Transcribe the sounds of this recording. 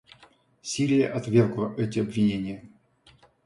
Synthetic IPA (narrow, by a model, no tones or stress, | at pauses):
sʲiɾʲɪjəʔɐt̪vʲerɡlˠəʔɛtʲɪɐbvʲɪnʲenʲɪjə